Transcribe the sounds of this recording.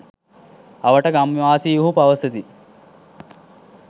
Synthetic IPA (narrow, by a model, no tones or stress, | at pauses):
ɐʋəʈəɡamiʋaːsijuɦupaʋəsət̪i